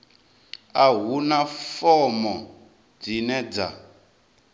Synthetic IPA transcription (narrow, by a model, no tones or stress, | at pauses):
aɦunafɔmɔ | d͡zinɛd͡za